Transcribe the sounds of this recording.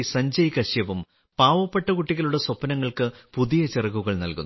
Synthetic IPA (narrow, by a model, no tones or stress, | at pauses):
sɐɲd͡ʑɐjkɐɕjɐʋum | paːʋɐpːeʈːɐkuʈːiɣɐluɽɐswɐpːɐnɐŋːɐɭkɨpuðijɐt͡ɕerɐɣːuɣɐɭnɐ̰lkunː